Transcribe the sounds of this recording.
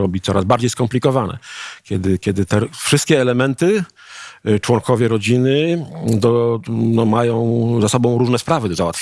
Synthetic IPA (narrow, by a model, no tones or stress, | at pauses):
ɔbʲit̪sɔɾazbaɾd͡ʑejskɔmplʲikɔvanɛ̰kʲjɛd̪ɘkʲɛd̪ɘt̪ɛfʂɘst̪kʲɛːlɛmɛnt̪ɘ | t͡ʂwɔŋkʰɔvʲjɛɾɔd͡ʑinɘd̪ɔnɔmajɔ̃w̃zasɔbɔ̃w̃ɾuʐnɛspɾavɘd̪ɔzawat̪fʲ